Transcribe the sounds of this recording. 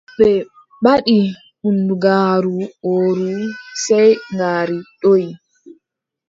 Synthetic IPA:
bɛ | ɓaɗi | ʔunduɡaːɾuoɾusɛjŋɡaːɾiɗoj

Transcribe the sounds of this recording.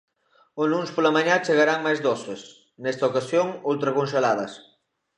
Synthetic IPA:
onunspolɐmaɲat͡ʃeɣaɾaŋmajzðoses | nɛst̪ɐokasjoŋolt̪ɾɐkonʃelaðɐs

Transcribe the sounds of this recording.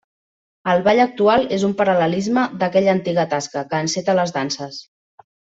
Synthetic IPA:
əlˠβaʎək̚t̪ualˠezumpəɾələlizməd̪əkɛʎəːnt̪iɣət̪askəkəːnset̪ələzðansəs

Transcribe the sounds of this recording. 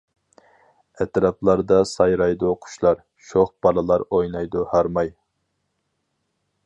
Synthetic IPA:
ɛt̪ɾɑplˠɑɾd̪ɑsɑjɾɑjd̪uqʰʊ̥ʃlˠɑɾ | ʃoχb̥ɑlˠɨlˠɑɾojnɑjd̪ʊhɑɾmɑj

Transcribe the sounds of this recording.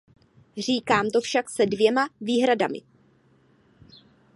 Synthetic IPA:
r̝iːkaːmt̪o̞fʃaksɛdvjɛmaviːɦɾadamɪ̰

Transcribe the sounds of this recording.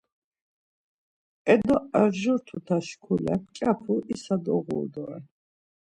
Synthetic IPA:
ɛd̪ɔɛʁʒɔɾt̪ʰut̪ʰaʃkʰulɛ̰pt͡ʃʼapʰuʔisad̪ɔ̰ʁṵːd̪ɔɛ̰

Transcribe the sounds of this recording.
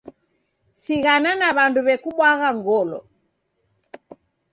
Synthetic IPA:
siɣananaβanduβɛkuɓwaɣaŋɡɔlɔ̰

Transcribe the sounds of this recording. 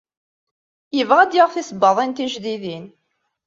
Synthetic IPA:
jəvʁæd̪jaʁθisbːəðˤint̪iʒðiðin

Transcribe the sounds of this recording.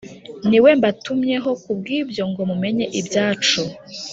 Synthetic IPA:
niwe̞mbatumɲe̞ɦo̞kub̚ɡiːbjo̞ŋɡo̞mume̞ɲe̞ʔibjaːt͡ʃo

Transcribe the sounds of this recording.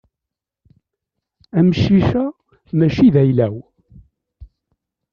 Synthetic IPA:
æmʃiʃæ | mæʃiðæjlæw

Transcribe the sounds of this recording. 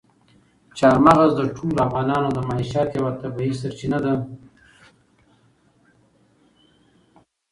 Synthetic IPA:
t͡ʃɑɾmaɣazd̪əʈʰolafɣɑnɑːnod̪əmaiʃɑt̪jawat̪abiisaɾt͡ʃinad̪a

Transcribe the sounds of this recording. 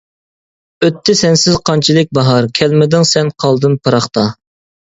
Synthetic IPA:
øt̪ʰːɪsɛnsɪzqʰɑnt͡ʃʰilˠɪk̚ʲbɑɦɑɾkʲʰɛlmɪd̪ɪŋsɛnqʰɑlˠd̪ɨmpʰɨɾɑχt̪ɑ

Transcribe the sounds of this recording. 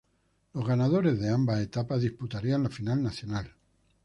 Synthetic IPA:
lozɣanað̞o̞ɾe̞zðe̞ambaet̪apaðisput̪aɾianlafinalnaθjonal

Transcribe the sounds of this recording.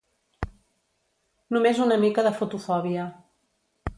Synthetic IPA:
numezunəmikəðəfut̪ufɔβiə

